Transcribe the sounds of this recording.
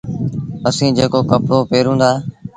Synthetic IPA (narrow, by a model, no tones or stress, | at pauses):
əsĩːd͡ʒeːkoːkəpɽoːpeːɾɦũːnd̪aː